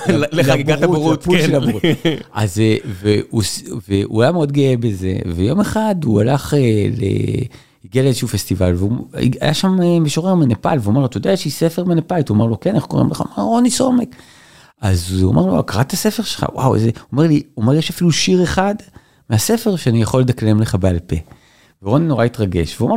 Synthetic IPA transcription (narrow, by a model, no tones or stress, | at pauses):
leaɡɡatbutuelabuʔa̰zeveusveʔṵajameod̪̚ɡeebezḛvejo̞me̞χad̪ualaχelḛ | hiɡieleezeʃufest̪iva̰lveṵa̰jaʃamemeʃoʁeʁmenepa̰lveuːmeʁat̪ojodajezʃisefe̞ʁmenepalit̪uameʁlo̞kenanaχukoʁḭmleχaomeʁʁonisomek | azo̰mʔeʁlo̰a̰kʁat̪ase̞fe̞ʁʃelχa̰wʔa̰wḛzeoome̞ʁliomeʁjeʃafiluʃiʁeχad | mease̞fe̞ʁʃeanijaχo̞led̪akle̞mleχabealpe̞̰ | veʁonino̞ʁait̪ʁaɡe̞ʃveuomel